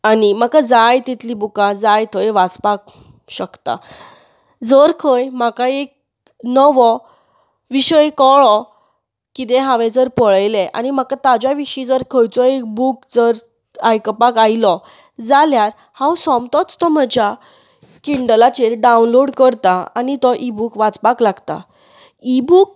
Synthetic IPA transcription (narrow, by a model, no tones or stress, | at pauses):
anim̤akad͡zajt̪it̪libukad͡zajt̪ʰɔjʋat͡spak̚ | ɕəkt̪a̰ | d͡zəɾkʰəjmakaek̚ | nəʋɔ | ʋiɕəekɔɭɔ | kit̪̬ɛɦaʋɛ̃d͡zəɾpəɭjlɛʔa̰nim̤akat̪ad͡ʑjaʋiɕid͡zəɾkʰəjt͡sɔek̚buk̚d͡zəɾ | ajkəpakajilɔ | d͡zaljaɾ | hãwsɔmt̪ɔt͡st̪ɔm̤əd͡ʑja | kiɳɖəlat͡ɕeɾɖaunloɽkəɾt̪aa̰nit̪ɔʔibukʋad͡zpaklaɡt̪a̰ | ibuk̚